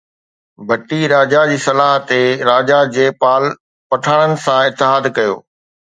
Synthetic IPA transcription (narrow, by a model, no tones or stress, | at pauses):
bʱɐʈiɾaːd͡ʑad͡ʑiːsɐlaːɦt̪eɾaːd͡ʑad͡ʑeːpaːl | pɐʈʰaːɽ̃ənɪ̆sãɪt̪ːɪɦaːd̪kɐjo̰ː